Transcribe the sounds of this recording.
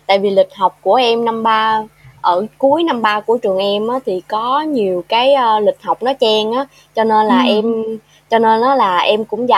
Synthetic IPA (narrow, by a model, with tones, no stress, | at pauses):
t̪a̰ː˧˨jvi˨˩lï˨˩k̟̚ɦə˨˩wk͡p̚ku˧˩əʔɛ˧mna˧mɓaː˧ʔəː˧˩ku˨˦əjna˧mɓaː˧ku˧˩ət͡ɕɨ˨˩əŋʔɛ˧mʔaː˨˦t̪ʰi˨˩kɔ˨˦ɲi˨˩əwkaː˨˦jʔə˧lï˨˩k̟̚hə˨˩wk͡p̚nɔ˨˦t͡ɕɛ˧ŋʔaː˨˦ | t͡ɕɔ˧ne˧nlaː˨˩ʔɛ˧m | t͡ɕɔ˧ne˧nʔaː˨˦laː˨˩ʔɛ˧mkʊ̰˧˥ŋ͡mza̰˧˩